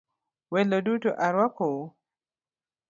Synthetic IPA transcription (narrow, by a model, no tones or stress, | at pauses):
welodutoʔaɾwako